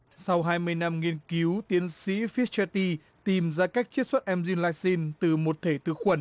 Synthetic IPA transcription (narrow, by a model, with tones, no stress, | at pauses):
sa˧wɦaː˧jmɨ˧əjna˧mŋi˧ənki˨˦wt̪i˨˦ənsḭ˧˥fi˦˥t͡ɕɛ˧t̪i˧ | t̪i˨˩mzaː˧kaː˦˥k̚t͡ɕi˦˥t̚swə˦˥t̚ʔɛ˧mzi˧nlaː˧k̚si˧nt̪ɨ˨˩mo˨˩t̚t̪ʰe˧˩t̪ɨ˧˩xwə˧˩n